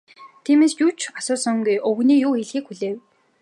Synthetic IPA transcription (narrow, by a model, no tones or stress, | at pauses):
t̪ʰiːmeːst͡ɕuwt͡ɕʰasʊːsɔ̆ŋɡujʔɵwɣniːjʊːxiɮxiːkxuɮeːw